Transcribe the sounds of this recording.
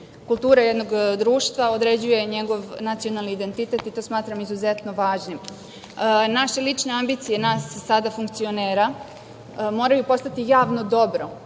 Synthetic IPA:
kulˠt̪uːɾajed̪no̞ɡd̪ɾuːʃt̪ʋao̞d̪ɾe̞d͡ʑuje̞ɲe̞ɡo̞ʋnat̪sio̞nalniid̪e̞nt̪it̪e̞t̪it̪o̞ːsmaːt̪ɾamizuzet̪no̞ʋaːʒnim | naʃe̞lit͡ʂne̞ambit̪sije̞naːsːad̪afuŋk̚t̪sio̞neːɾa | mo̞ɾajupo̞st̪at̪ijaːʋno̞d̪o̞bɾo̞

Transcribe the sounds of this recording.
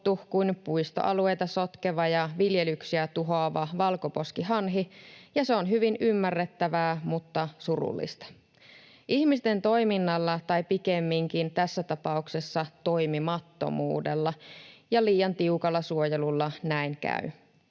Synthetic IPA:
t̪ukuinpuist̪o̰ʔɑ̰lue̞jt̪ɑso̞t̪keʋɑjɑʋiljelyksiæt̪uɦoːʋɑʋɑlko̞po̞skiɦɑnɦijɑseonɦyʋinymːærːet̪ːæʋæːmut̪ːɑsurṵlːḭst̪ɑ̥ | ʔihmist̪e̞nt̪o̞jminːɑlːɑt̪ɑjpikemːiŋkint̪æsːæt̪ɑpɑukse̞sːɑt̪o̞jmimɑt̪ːo̰mṵːdelːɑjɑliːjɑnt̪iukɑlːɑsuo̞jelulːɑnæinkæ̰y

